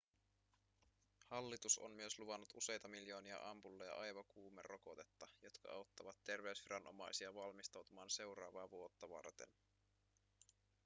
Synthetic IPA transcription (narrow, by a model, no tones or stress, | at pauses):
hɑlːit̪uso̰mmyøsluʋɑnːut̪use̞jt̪ɑmiljo̞ːniɑ̰ʔɑmpulːɑjɑ̰ʔɑjʋɑkuːmḛro̞kot̪et̪ːɑjo̞t̪kɑ̰ɑwt̪ːɑʋɑt̪ːe̞rʋe̞ysʋiɾɑnʔomɑjsiɑʋɑlmist̪ɑwt̪umɑːnse̞wɾɑːʋɑːʋuot̪ːɑʋɑ̰rt̪ḛn